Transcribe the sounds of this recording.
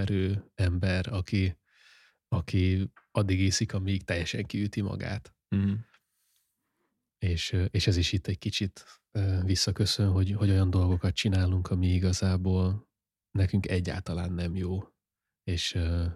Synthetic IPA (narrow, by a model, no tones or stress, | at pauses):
ɛɾøːɛmbɛɾɒki | ɒki | ɒd̪ːiɡeːsikɒmikt̪ɛjːɛʃɛ̰ŋkiyt̪imɒ̰ɡa̰ːt̪ | eːʃeːʃɛziʃit̪ʰːɛckit͡ʃit̪ | øːvisːɒkø̞sønɦo̞ɟho̞ɟo̞jɒnd̪o̞lɡo̞kɒt̪̚t͡ʃinaːluŋkʰɒmiiɡɒzaːboːl | nɛkyŋkɛɟːa̰ːlt̪ɒlaːnːɛmjoː | eːʃøː